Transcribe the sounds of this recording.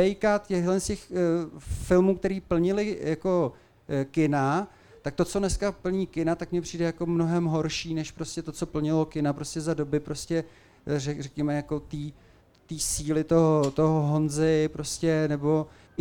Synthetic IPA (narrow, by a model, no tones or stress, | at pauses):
ɛjkat̪cɛɦlɛnscɛx | fɪlmuːkt̪ɛɾiːpl̩ɲɪlɪjako̞ | kɪna | t̪ak̚t̪ot͡so̞nɛskapl̩ɲiːkɪnat̪akmɲɛpr̥iːdɛjako̞mno̞ɦɛmɦo̞ɾʃiːnɛʃpɾo̞scʲɛt̪o̞t͡so̞pl̩ɲɪlo̞kɪnapɾo̞scɛzado̞bɪpɾo̞scɛ | rɛrɛkɲɛmɛjako̞t̪iː | t̪iːsiːlɪt̪oɦot̪oɦoɦo̞nzɪpɾo̞scɛnɛbo̞